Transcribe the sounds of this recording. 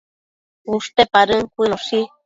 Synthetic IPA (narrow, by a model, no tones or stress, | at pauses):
ust̪epaɾəŋkʷinoʃi